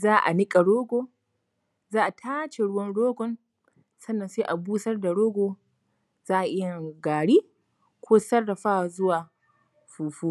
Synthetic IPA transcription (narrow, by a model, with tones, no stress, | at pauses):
zaː˦ʔa̰˨nɪ˦kʼa˨ɽoː˦ɡʷoː˦ | zaː˦ʔa˨tʰaː˦t͡ʃe˨ɽʊ˦wɐ˦nɽoː˦ɡʷɔ˦n | sɐ˦nːɐ˨nseː˦ʔa˨buː˦sɐ˦rda˨ɽoː˦ɡʷoː˨ | zaː˦ʔa˨ʔɪ˦ja˨ɡaː˨ɽiː˦ | kʷoː˦sɐ˦rːɐ˨ɸaː˦˨zʊ˦waː˨ | ɸuː˨ɸuː˦